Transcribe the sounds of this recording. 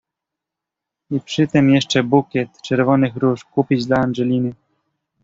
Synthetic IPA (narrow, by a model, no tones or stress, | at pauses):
ipʂɘt̪ɘmjɛʂt͡ʂɛbukʲɛt̪t͡ʂɛɾvɔnɘxɾuʂkupʲid͡ʑd̪laanʐɛlʲinɘ